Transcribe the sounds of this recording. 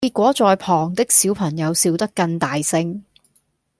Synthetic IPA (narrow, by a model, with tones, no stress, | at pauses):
i˧t̚kʷɔː˨˥t͡sɔː˨˧jpʰɔː˨˩ŋt̪ɪ˥k̚siː˨˥wpʰɐ˨˩ŋjɐ˨˧wsiː˧wt̪ɐ˥kːɐ˧ŋt̪aː˨jsɪ˧˥ŋ